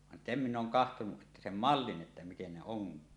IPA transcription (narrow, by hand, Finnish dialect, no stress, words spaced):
ʋɑn sem minˑ ʔoːŋ kɑhtonuʔ ʔetːæ sem mɑlːin ʔetːæ miten ne oŋkˑiː